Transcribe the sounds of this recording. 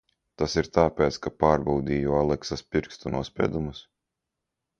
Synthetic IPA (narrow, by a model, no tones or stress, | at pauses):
t̪asiɾt̪aːpʲɛːt̪skapaːɾbawd̪iːjualˠɛksaspʲiɾkst̪unuɔspʲɛ̰ːd̪umus